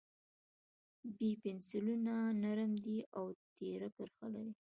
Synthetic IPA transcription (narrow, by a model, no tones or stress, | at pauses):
bipɪnsɪlunanaɾmd̪iʔawt̪eɾakəɾxala̰ɾi